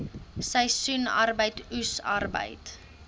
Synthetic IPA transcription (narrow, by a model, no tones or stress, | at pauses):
səjsuna̰rbəjtusɐ̰rbə̰jt